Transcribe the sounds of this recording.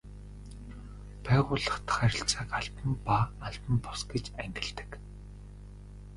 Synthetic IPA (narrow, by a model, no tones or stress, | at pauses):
pæːʁʊːɮə̆χt̪ʰḁχæɾʲɪ̆ɬt͡saːkaɮpə̆mpaːɮp̪ə̆mpʊsɡet͡ɕæŋɡʲɪ̆ɮt̪ɘ̥̆k